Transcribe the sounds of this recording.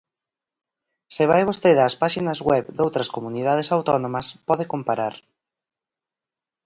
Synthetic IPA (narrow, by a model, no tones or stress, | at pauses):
sɪβ̞ajβost̪eðaspaʃinɐzɣwɛβd̪owt̪ɾɐskomuniðaðesawt̪ɔnõmɐspɔðekompaɾaɾ